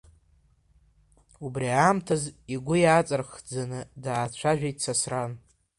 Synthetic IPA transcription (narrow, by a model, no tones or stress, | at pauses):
ubriamtʰaziɡʷʊjat͡sʼarχd͡zanɨdaːt͡ɕʷʰaʒᶣajtsasran